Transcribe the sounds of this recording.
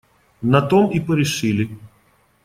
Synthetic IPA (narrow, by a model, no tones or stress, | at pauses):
nɐt̪omipəɾʲɪʂɨlʲɪ